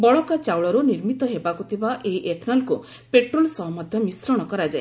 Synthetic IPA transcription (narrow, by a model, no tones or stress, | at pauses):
bɔɭɔkat͡ʃawɭɔɾuniɾmit̪ɔɦebakut̪ʰibaʔeiʔet̪ʰnalku | peʈɾolsɔɦmɔd̪ʱjɔmisɾɔɽ̃ɔkɔɾad͡ʒae